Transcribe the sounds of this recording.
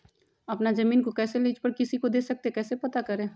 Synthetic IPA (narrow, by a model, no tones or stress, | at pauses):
ɐpnazɐmiːnkokɛːseliːd͡ʒpəɾkɪsikod̪eːsɐk̚t̪ekɛːsepɐt̪akɐɾẽː